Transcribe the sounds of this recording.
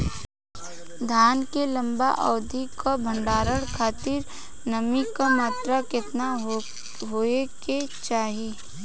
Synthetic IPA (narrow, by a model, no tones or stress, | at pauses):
d̪ʱaːnkelɐ̃mba̰ʔɔːd̪ʱikabʱə̃ɳɖaːɾəɽkʰaːt̪ɪɾ | nɐmikamaːt̪ɾakɪt̪na | ɦoeke | t͡ʃaːɦi